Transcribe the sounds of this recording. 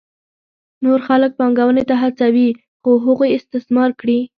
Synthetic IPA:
noɾxalək̚pɑŋɡawənet̪aɦat͡sawi | xoɦaɣojɪst̪ɪsmɑɾkɽi

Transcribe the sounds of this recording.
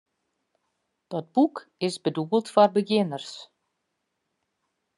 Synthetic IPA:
d̥ɔd̚bukɪsbədubəl̩ˠtfɔrbəɡɪnərs

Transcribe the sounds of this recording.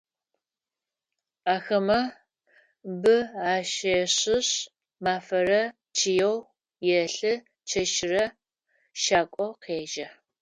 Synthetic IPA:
aːxɐmɐ | bɨaːʃɐɕɪɕ | maːfɐɾɐ | t͡ʃʰɪjɛw | jɛɬɨ | t͡ʃʰɐʃɪrɐ | ʃaːkʷʼɔqʰeːʒɐ

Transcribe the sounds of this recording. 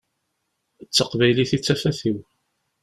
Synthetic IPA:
ət͡sːəqvæjliθit͡sːæfæθiw

